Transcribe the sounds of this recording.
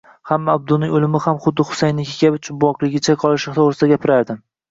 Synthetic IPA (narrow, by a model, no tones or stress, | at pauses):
hamːaːb̚d̪ʊnɪŋʲolɪmɪhamχʊd̪ːɪχʊ̥sajnɪkʲʰekʲabʊt͡ʃʰʊbwɒqlˠɪɡʲɪt͡ʃʰaqʰɒlˠɪʃt̪ʰoʁɾɪsɪd̪aɡʲapʰɪɾaɾd̪ɪ